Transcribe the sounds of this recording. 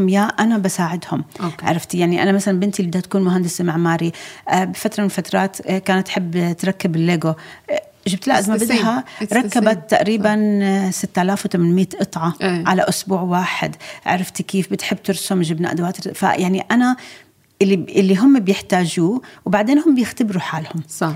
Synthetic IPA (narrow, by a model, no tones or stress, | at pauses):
mjaʔanabasaːʕɪd̪hʊmʕa̰ɾˤɑft̪ijaʕniʔanamasalanbɪnt̪ilɪd̪hat̪akuːnmʊɦand̪ɪsmaʕmaːɾibɪfat̪ɾˤɑmɪnfat̪ɾˤɑːt̪kaːnat̪ːħɪbːt̪ɾˤɑkːɪbɪlːeːɡo | ʒɪb̚t̪ɪlʔd̪mabɪd̪ɦaɾˤɑkːabat̪ːaʔɾiːbansɪt̪ːʔalaːfwt̪amanmiːt̪ʔɨt̪ˤʕɑʕalaʔʊsbuːʕwaːħɪ̰d̪ʕa̰ɾˤɪft̪ikiːfbɪt̪ħɪbːt̪ʊɾsʊmʒɪbnaʔd̪waːt̪ɾfa̰jaʕniʔana | ʔɪlːiʔɪlːiɦʊmːbjɪħt̪aːʒuːwbaʕd̪eːnhʊmbjɪxt̪abɾuħaːlhʊm